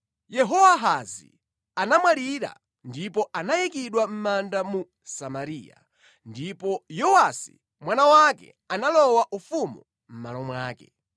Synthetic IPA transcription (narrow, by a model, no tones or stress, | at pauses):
jɛɦɔwaɦazḭ | anamwaɾiɾa̰ | ndipɔʔanajikiɗwam̩mandamu | samaɾiːja̰ | ndipɔjɔwasi̥̰ | mwanawakɛ̰ | analɔwaʔufumṵ | m̩ma̰lɔmwaːkɛ̰